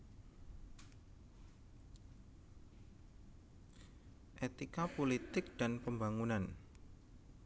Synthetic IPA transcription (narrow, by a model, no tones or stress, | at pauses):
ʔet̪ikapolit̪ɪk̚d̪̥a̤npəmbaŋunan